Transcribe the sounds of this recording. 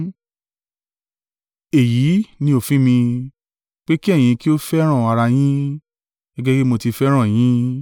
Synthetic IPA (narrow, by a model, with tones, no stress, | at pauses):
e˨ji˨˦nĩ˧o˨fĩ˦mĩ˧ | k͡pe˦ki˦ɛ˦˨j̃ĩ˧ki˦o˦fɛ˦ɾ̃ã˦˨a˧ɾa˧j̃ĩ˦ | ɡ̥ɛ˦ɡɛ˦ke˦mo˧ti˧fɛ˦ɾ̃ã˦˨j̃ĩ˦